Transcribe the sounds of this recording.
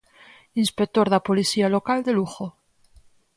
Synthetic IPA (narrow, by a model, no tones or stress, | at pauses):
inspek̚t̪oɾðapolisialokald̪eluxo